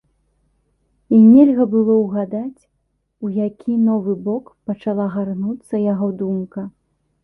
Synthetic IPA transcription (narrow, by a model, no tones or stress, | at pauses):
inʲɛlʲɣɐbɨlˠɔwɣad̪at͡sʲ | ujakʲʰinɔvɨbɔkpɐt͡ʂalˠaɣarnut̪sːɐjaɣɔd̪umkɐ